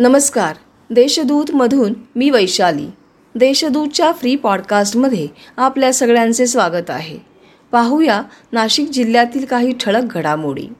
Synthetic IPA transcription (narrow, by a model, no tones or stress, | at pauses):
nəməskaɾ | d̪eɕəd̪uːt̪məd̪ʱuːnmiːʋəjɕalḭː | d̪eɕəd̪ut̪̚t͡ɕjafɾiːpɔɽkasʈməd̪ʱjeapljasəɡɭjãnt͡sesʋaɡət̪a̰ɦḛ | paɦujanaɕik̚d͡ʑilːjat̪iːlkaɦiːʈʰəɭək̚ɡʱəɽamoɽḭː